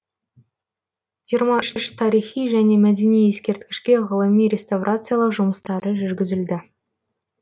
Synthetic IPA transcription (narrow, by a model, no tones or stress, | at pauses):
jijəɾmɑʃʏʃt̪ʰɑɾijχijʒæne̞mæd̪enije̞skʲe̞ɾt̪kʲɪ̥ʃkʲe̞ʁəlˠəmijɾʲe̞st̪avrʔat̪sɨjalˠəʒʊməst̪ɑɾəʒʏɾɡʲɪzɪld̪ɪ